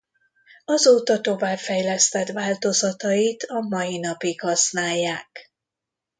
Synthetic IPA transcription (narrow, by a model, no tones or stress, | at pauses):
ɒzoːt̪ɒt̪o̞vaːpfɛjlɛst̪ɛt̪vaːlt̪o̞zɒt̪ɒjit̪ɒmɒjin̪ɒpikhɒsnaːjːaːk